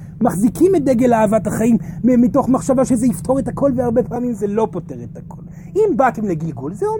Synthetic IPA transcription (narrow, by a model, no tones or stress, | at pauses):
maχzikimet̚d̪eɡelaːvathaχaimmito̞χmaχʃavaʃezeiftʰo̞ʁethako̞lveaʁbe̞paːmimzelo̞po̞te̞ʁetakʰo̞l | imbate̞mleɡilɡulzeo